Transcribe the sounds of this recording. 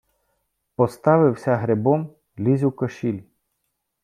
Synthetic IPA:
pɔst̪ɑʋɪwsʲɐɦɾebɔm | lʲizʲɪwkɐʃilʲ

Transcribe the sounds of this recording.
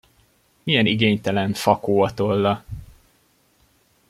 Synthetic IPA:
mijɛniɡeːɲt̪ɛlɛɱfɒkoːɒt̪olːɒ

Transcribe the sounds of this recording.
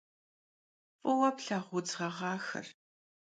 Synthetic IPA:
pʼɨwɐpɬɐʁʷʊd͡zʁɐʁɑːxɨ̰r

